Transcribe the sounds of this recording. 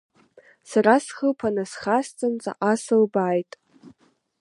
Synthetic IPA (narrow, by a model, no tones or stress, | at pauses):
sarasχəlpʰanasχast͡sʼɨnt͡sʼa̰ʔasɨlbajtʼ